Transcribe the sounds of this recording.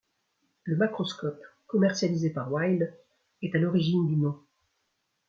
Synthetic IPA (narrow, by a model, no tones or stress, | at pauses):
ləmakχɔskɔpkɔmɛʁsjalizepaʁwajl | ɛt̪alɔʁiʒind̪ynɔ̃